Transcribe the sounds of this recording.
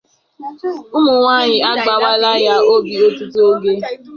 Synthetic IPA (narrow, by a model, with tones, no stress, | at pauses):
ʊ˦mʊ˨ŋʷaː˦˨ɲɪ˨a˦ɡ͡ba˨wa˦la˦ja˦o˦bi˨o˦tu˦tu˦o˦ɡe˦